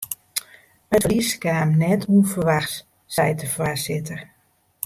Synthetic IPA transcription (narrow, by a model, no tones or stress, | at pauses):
əfriskaːmnɛtʰuənfərʋaxt | sɛjtəfwaːsɪtər